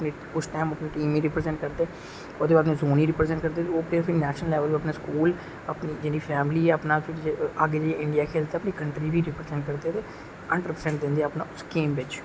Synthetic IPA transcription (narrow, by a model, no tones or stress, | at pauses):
pneːpʊʃʰʈɛːməpniːʈiːmĩːɾɪpɾəzɛ̃ɳʈ̚kəɾd̪eɛ | od̪eːbaːdnẽːzoːniːɾɪpɾezɛ̃ɳʈ̚kəɾd̪eːt̪eoːpʰɪɾpʰɪɾinɛːʃnəlɛːʋəliəpnaːskuːl | əpniːd͡ʒɪniːpʰɛːmliːɛəpnaːpʰɪaːɡeːd͡ʒaieʔɪ̃ɳɖijaːkʰeːlt̪eːəpniːkəɳʈɾiːbiːɾɪpɾezɛ̃ɳʈ̚kəɾd̪eːɛt̪eː | əɳɖəɾpəɾsɛ̃ɳʈ̚d̪ɪ̃nd̪iːɛːpnaːʊskiːmbɪt͡ʃ